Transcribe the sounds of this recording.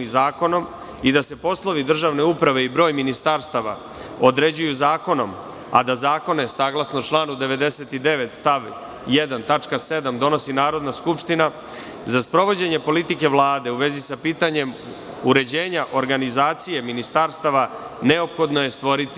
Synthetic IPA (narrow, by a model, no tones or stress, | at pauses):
izaːko̞no̞m | id̪ase̞po̞slˠo̞ʋid̪r̩ʒaʋne̞upɾaʋe̞ibɾo̞ːjminist̪aɾst̪aʋa̰ | od̪ɾe̞d͡ʑujuzaːko̞no̞m | a̰d̪azaːko̞ne̞saːɡlˠasno̞t͡ʃlaːnud̪e̞ʋe̞d̪e̞se̞t̪id̪e̞ʋe̞t̪st̪aʋ | jed̪ant̪at͡ʃkase̞d̪amd̪o̞no̞sinaːɾo̞d̪naskupʃt̪ina | zaspɾo̞ʋo̞d͡ʑe̞ɲe̞po̞lit̪ike̞ʋlˠaːd̪e̞uʋe̞zisapiːt̪aɲe̞m | uɾe̞d͡ʑe̞ːɲaʔo̞ɾɡanizaːt̪sije̞minist̪aɾst̪aʋane̞opxo̞d̪no̞je̞st̪ʋo̞ɾit̪i̥